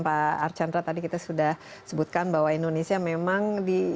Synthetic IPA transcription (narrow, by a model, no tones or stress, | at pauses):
paːrt͡ʃandɾat̪adikit̪asudahsəbut̪̚kanbaɦwaindonesiamemaŋdi